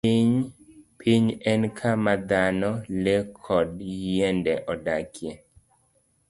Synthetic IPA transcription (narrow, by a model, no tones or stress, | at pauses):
iɲpʰiɲɛnkʰamad̪anɔlekʰɔdjeɛndɛʔɔdakʰjɛ